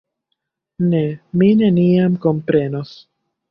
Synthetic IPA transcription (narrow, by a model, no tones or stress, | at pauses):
nemineniamko̞mpɾe̞no̞s